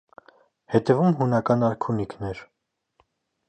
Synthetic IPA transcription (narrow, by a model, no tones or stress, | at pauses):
hɛt̪ɛvumɦunɑkɑnɑɾkʰunikʰnɛɾ